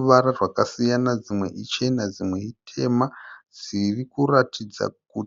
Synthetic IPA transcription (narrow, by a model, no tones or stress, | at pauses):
ʋaɾarwakasijanad͡zimwe̞̰ʔit͡ʃe̞nad͡zimwe̞itʰe̞mad͡zirikuratid͡za̰k̚u